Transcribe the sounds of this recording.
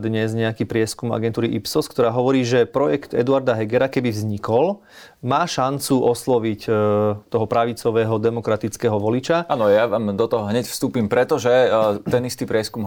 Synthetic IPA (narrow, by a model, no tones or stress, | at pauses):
d̪ɲɛzɲɛakiːpɾɪɛskuma̰ɡɛnt̪uːɾiʔipsɔskt̪ɔɾaːɦɔʋɔɾiːʒɛpɾɔjɛkt̪ɛ̰d̪uaɾd̪aɦɛɡɛɾakɛbivzɲikɔl | maːʃant͡suʔɔslɔʋict̪ɔɦɔpɾaʋit͡sɔʋɛːɦɔd̪ɛmɔkɾat̪it͡skɛːɦɔʋɔlit͡ʃaʔanɔjaʋaːmd̪ɔt̪ɔɦɔɦɲɛcfst̪uːpimpɾɛt̪ɔʒɛt̪ɛnist̪ipɾɪɛskum